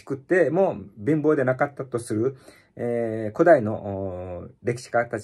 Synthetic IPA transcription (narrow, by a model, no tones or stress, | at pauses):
i̥kɯ̟t̪ːe̞mo̞ːbʲĩmbo̞ːd̪e̞nakat̪ːat̪o̞sɨɾɯ̟ | eko̞d̪aino̞ʔ | ɾe̞kʲi̥ɕi̥kat̪at͡ɕ